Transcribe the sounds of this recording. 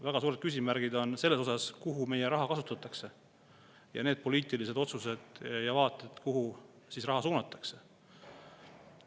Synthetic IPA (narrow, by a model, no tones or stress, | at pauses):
væɡ̥ɑsuːɾe̞d̥̪̚kysʲimæɾɡ̥id̪o̞nse̞lːeso̞sɑskuɦume̞jeɾɑɦɑkɑsut̪ːˑɑt̪ːˑɑkse̞ | jɑ̰ne̞ːd̪̥̚po̞liːt̪ˑilised̪o̞t̪suse̞d̪̥jɑvɑːt̪ːˑed̪̥kuɦu | sisrɑɦɑsuːnɑt̪ːˑɑ̥kse̞